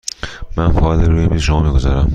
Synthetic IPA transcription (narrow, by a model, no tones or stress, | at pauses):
mænfɒɒleɾujemiːzʃomɒːmiːɡozɒɾæm